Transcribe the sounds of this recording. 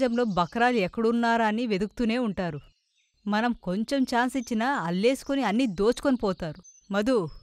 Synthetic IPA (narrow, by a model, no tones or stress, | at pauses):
d͡ʒɐmlo̞ːbʱɐkɾaːluɛkːɐɽuːnːaːɾaniʋed̪ukt̪une̞ːuɳʈaːɾu | mɐnɐmko̞ɲt͡ʃe̞mt͡ʃaːnsit͡ʃːinɐːlːe̞ːsu̥koniɐnːid̪o̞ːt͡ʃu̥konipɔːt̪aːɾu | mɐd̪u